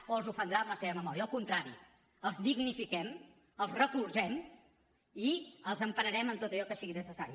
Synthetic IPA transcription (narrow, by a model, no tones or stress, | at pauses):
olˠzufənd̪ɾaəmləseβəməmɔɾiəːlˠkunt̪ɾaɾḭ | əlˠzðiɣnifikɛm | əlˠzrəkurzɛm | iəlˠzəmpənəɾɛmənt̪ot̪əʎɔkəsiɣinəsəsaɾi